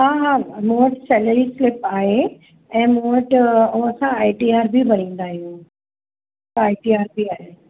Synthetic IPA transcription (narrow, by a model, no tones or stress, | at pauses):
ɦaːɦaːmũəʈsɛːləɾislɪpaːɦe | ɛ̃ːmũːəʈũɐsãaːiʈiaːɾbʱibɐnĩːnd̪aːɦijũ | aːiʈiaːɾbʱiaːɦeː